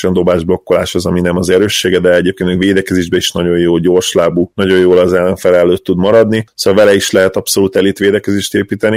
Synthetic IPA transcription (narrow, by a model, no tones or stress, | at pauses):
ɛnd̪o̞baːʒblo̞kːola̰ːʃhozɒminɛmɒzɛɾøːʃːeːɡɛd̪ɛɛɟeːp̚kenmveːd̪ɛkɛzeːʒbɛiʃnɒɟo̞jjoːlɟoːrʃlaːbuːnɒɟo̞joːlɒzɛlːɛɱfɛlɛlːøːt̪ːud̪mɒɾɒd̪nisoɒlvɛlɛiʃlɛɦɛt̪ɒpso̞luːt̪ɛlit̪ʋeːd̪ɛkɛzeːʃt̪eːpiːt̪ɛni